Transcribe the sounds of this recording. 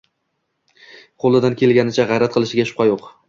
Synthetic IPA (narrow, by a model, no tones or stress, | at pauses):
qʰolˠɪd̪ankʲʰe̞lɡʲanɪt͡ʃʰaʁɑjɾat̪̚qʰɨlˠɪʃɪɡʲaʃʊ̥pʰqʰɑjoq